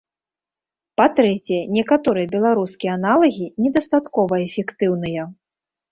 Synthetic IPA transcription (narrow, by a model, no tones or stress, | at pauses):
pat̪ɾɛt͡sʲɛjɛnʲɛkat̪ɔɾɨjɐbʲɛlˠaɾuskʲijɛanalˠɐɣʲinʲɛd̪ɐst̪at̪kɔvɐɛfʲɛkt̪ɨwn̪ɨjɐ